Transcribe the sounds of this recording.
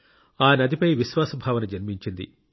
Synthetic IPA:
aːnɐd̪ipɐjʋiʃʋaːsɐbʱaːʋɐnɐd͡ʒɐnmiɲt͡ʃind̪ḭ

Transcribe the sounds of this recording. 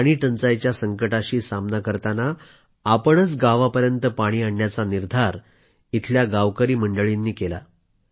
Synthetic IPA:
ɽ̃iːʈənt͡sajt͡ɕjasəŋkəʈaɕiːsamnakəɾt̪anaː | pəɳət͡sɡaʋapəɾjənt̪əpaɽ̃iːaɳːjat͡saniɾd̪ʱaɾ | it̪ʰljaɡaʋkəɾiːməɳɖəɭinːiːkela̰

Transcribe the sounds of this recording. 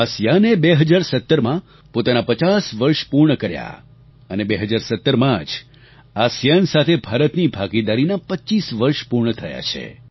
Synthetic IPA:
asjanebeɦəd͡ʒaɾsət̪ːəɾmã | pot̪anapət͡ʃasʋəɾʃpuɾɳəkəɾja̰ | ənebeɦəd͡ʒaɾsət̪ːəɾmãd͡ʒ | asjansat̪ʰebʱaɾət̪nibʱaɡid̪aɾinapətːʃisʋəɾʃpuɾɳət̪ʰəja̰t͡ʃʰḛ

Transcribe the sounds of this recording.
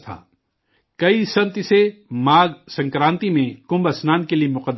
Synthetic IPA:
t̪ʰa̰ː | kɐisɐ̃nt̪semaːɡsɐ̃ŋkɾãːnt̪imẽkʊ̃mbɐsnaːnkeliemʊqəd̪

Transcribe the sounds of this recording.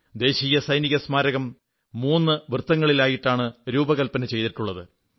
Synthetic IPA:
d̪e̞ːɕiːjɐsɐjniɣɐsmaːɾɐɣɐmː | uːnːɨʋrɨt̪ːɐŋːɐɭilaːjiʈːaːɳɨɾuːbɐɣɐlpɐnɐt͡ɕe̞jt̪iʈːuɭːɐðɨ

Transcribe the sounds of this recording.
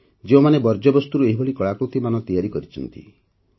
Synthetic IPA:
d͡ʒeomanebɔɾd͡ʒɔbɔst̪uɾueɦibʱɔɭikɔɭakɾut̪imanɔt̪ijaɾikɔɾit͡ʃʰɔnt̪ḭ

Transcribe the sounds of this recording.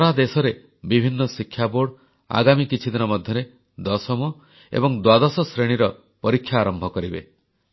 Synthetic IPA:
ɔɾad̪esɔɾe | bibʱinːɔsikʰjaboɽ | a̰ɡamikit͡ʃʰid̪inɔmɔd̪ʱjɔɾe | d̪ɔsɔmɔ | ḛbɔŋd̪wad̪ɔsɔsɾeɽ̃iɾɔ | pɔɾikʰːjaːɾɔmbʱɔkɔɾibe

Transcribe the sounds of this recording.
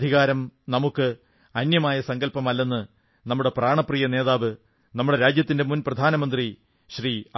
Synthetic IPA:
d̪ʱiɣaːɾɐmnɐmukːɨ | ɐnjɐmaːjɐsɐŋɡɐlpɐmɐlːɐnːɨ | nɐmːuɽe̞praːɳɐprijɐne̞ːðaːʋɨ | nɐmːuɽe̞ɾaːd͡ʑjɐt̪ːinde̞munprɐd̪ʱaːnɐmɐnd̪ri | ɕri

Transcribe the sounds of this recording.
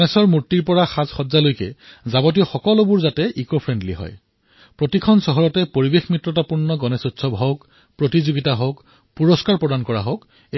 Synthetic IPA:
nɛsɔɹmuɹtiɹpɔɹaxazxɔzalojkɛ̰zabɔt̬iɔxɔkɔlobuɹzatɛʔikopʰɹɛndlḭɦɔ̰j | pɹotikʰɔnsɔɦɔɹɔtɛpoɹibexmɹitːɹɔtapuɹnɔɡɔnɛsotsʰɔbʱɦɔk | pɹotizoɡitaɦok | puɹɔskaɹpɹɔdankɔɹa̰ɦok

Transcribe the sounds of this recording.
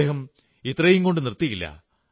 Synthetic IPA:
eːhɐm | it̪ːrɐjuŋko̞ɳɖɨnirt̪ːijilːɐ̰

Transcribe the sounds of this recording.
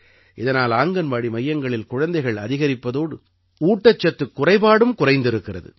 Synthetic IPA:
ʔɪðɐnaːlaːŋɡɐnʋaːɽimɐjːɐŋɡɐɭɪlkʊɻɐnd̪ɐɪɣɐɭɐ̰ðɪɣɐɾɪpːɐðoːɽɯ | uːʈːɐt͡ʃːɐt̪ːɯkːʊrɐɪpaːɽɯmkʊrɐɪnd̪ɪɾɯkːɪrɐ̰ðɯ̰

